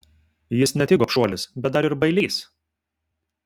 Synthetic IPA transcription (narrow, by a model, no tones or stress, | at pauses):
jɪsnʲɛt̪ʲɪːɡoːpʃuɔlʲɪsbʲɛt̪̚d̪ɐɾɪɾbɐɪlʲiːs